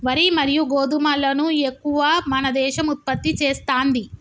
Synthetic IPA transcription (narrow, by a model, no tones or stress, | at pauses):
ʋɐɾimɐɾijuɡoːd̪umɐlːɐnue̞kːuʋaːmɐnɐd̪ɛːʃɐmut̪̚pɐt̪ːit͡ʃeːst̪aːnd̪i